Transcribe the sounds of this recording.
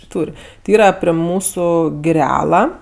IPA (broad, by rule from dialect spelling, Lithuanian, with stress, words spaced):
ˈtuːrʲ tʲɪ ˈiːrɑː pʲrʲɛ ˈmuːsʊ ɡʲɪˈrʲæːlˠɐ